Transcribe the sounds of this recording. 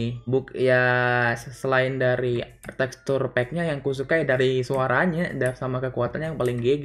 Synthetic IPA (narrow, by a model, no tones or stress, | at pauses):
bukja | səlaɪndaɾi | t̪ɛkst̪ʊrpɛk̚ɲajaŋkus̬ukajdaɾisuaɾaɲadasamakəkuat̪anɲajaŋpalɪŋɡeɡ